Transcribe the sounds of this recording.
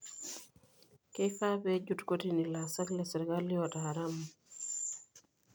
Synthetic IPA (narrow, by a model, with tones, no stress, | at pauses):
ke˦fa˦pe˦d͡ʒu˦tko˦tini˨la˨sa˦tlɛ˨sɛ˨ɾɡa˦lːi˦ɔ˨ta˨ɾa˦m